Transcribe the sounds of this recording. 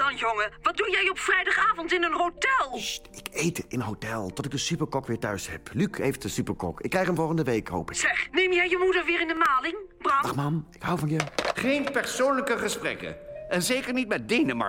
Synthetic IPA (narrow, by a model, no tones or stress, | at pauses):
d̥ɑnjoŋəʋɑt̚dunjɛjɔpfrɛjdɑχaːvɔntɪnənɦowtɛlˠɪkejtɪnənɦowtɛlˠtɔtɪɡ̚dəsypəɹkɔkʋɪːɹtœɥshɛ̰plykejft̚dəsypəɹkɔ̰kɪkːrɛjχənvɔlˠχəndəʋejkɦo̰wpɪsɛχnejmjɛjjəmudəɹʋɪːɹɪndəmaːlɪŋbraχmamɪkɦʌwvɑnjəχejnpɛɹsownləkəχəsprɛ̰kə̰ʔɛnzejkəɹnitmɛt̚dejnəmɑ̰ɹ